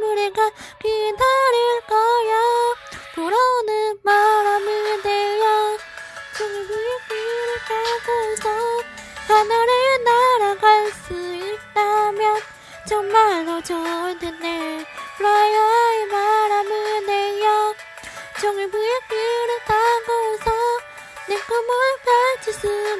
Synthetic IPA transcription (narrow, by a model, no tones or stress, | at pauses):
nuɾeɡakidʰaɾɯɭkʌjakuɾʌnɯnnmaɾamɯdejʌo | t͡ɕoŋebujek͈ːiɾɯkaɡosʰʌkanaɾɯnaɾaɡaɭs͈uit͈amjʌn | t͡ɕʌŋmaɭɡʌt͡ɕʌɯntendekɯɾʌjaemaɾamɯnejʌ | t͡ɕʌŋebujekiɾɯt͈aɡosʰʌ | nek͈ɯmokat͡ɕusʰɯ